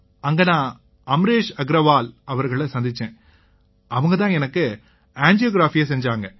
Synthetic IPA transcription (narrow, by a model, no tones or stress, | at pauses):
ɐŋɡɐnãː | ɐmɾeːʂɐɡɪɾɐʋaːlɐʋɐɾɣɐɭɐsɐnd̪ɪt͡ʃːẽː | ɐʋɐŋɡɐt̪ãːɛnɐkːɯ | aːɲd͡ʒijoːɡɪɾaːfɪjɐsɛɲd͡ʒaːŋɡɐ